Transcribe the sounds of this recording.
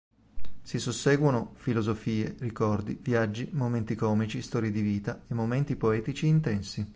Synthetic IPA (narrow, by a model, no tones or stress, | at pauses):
sisusːɛːɡwonofilozofiːerikɔrd̪ivjad͡ʒːimoment̪ikɔːmit͡ʃist̪ɔːɾjed̪iviːt̪aemːoment̪ipoɛːt̪it͡ʃiːnt̪ɛnsi